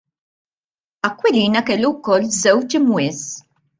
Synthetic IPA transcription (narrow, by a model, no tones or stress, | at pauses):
ɐkːwɛliːnɐkɛlːuwkɔlːzɛwt͡ʃɪmwɪːs